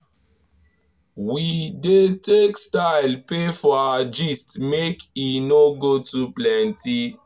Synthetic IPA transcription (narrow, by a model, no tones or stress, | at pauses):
widetekstaɪlpefɔad͡ʒistmekinoɡotuplɛ̃nti